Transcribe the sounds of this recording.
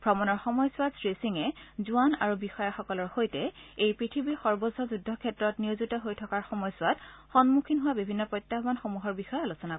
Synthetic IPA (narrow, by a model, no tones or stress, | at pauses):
b̥ʱɹɔmɔnɔɹxɔmɔjsʊwadsɹesiŋɛzuanaɹubixɔjaxɔkɔlɔɹxojtɛejpɹitʰibiɹxɔɹbɔzʱɔzudʱːɔkʰɛtɹɔtniwzutɔɦojtʰɔkaɹxɔmɔjsʊatxɔnmukʰinɦuwabibʱinːɔpɹɔjtːaɦbanxomuɦɔɹbixɔjɔalusɔna